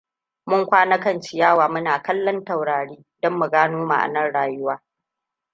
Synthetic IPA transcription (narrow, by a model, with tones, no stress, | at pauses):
mʊ˦ŋkʷaː˦nɐ˦kɐ˦nt͡ʃɪ˨jaː˦˨waː˨mʊ˦naː˨kɐ˦lːɔ˦nta˨wɽaː˨ɽiː˦dɔ˦mːu˨ɡaː˦noː˦ma̰˨ʔa̰˨nɐ˦˨nɽaː˨jʊ˦waː˦